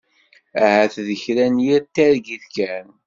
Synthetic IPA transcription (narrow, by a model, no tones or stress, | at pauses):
æhæθðəçɾænjiɾt̪ːæɾɡiθkæn